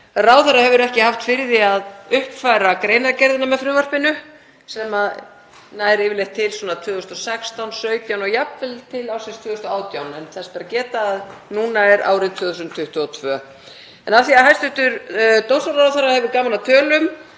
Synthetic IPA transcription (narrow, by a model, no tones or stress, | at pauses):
raːwθaɾrːahɛvʏɾɛhcɪhaft̪fɪɾðɪaðʏhpfajɾakɾeːjnaɾcɛɾðɪnamɛðfɾʏːvar̥pɪnʏ | sɛma | najɾɪːvɪɾlejxt̪ʰːɪlswɔːnat̪ʰvœːðʏst̪ɔsɛkst̪awnsœːɥt̪jawnɔɣjapvɪlt̪ʰɪlawsɛnst̪vʏːðʏst̪ɔaːwt̪jawnɛnθɛspaɾacɛːt̪aːðnuːnaɛɾa̰ːwɾɪt̪ʰvœːðusʏmt̪ʰʏht̪ʏɔt̪ʰvœː | ɛnavθiaðɦajst̪ʏht̪ʏɾt̪owst̪aɾrawθaɾahɛvʏɾkaːmalat̪ʰœːlʏm